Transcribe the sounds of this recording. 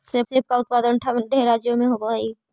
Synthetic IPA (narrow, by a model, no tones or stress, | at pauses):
sɪbɪb̚kaʊt̪̚paːd̪ənʈʰaʋənɖʱeːɾaːd͡ʒjomẽɦoboai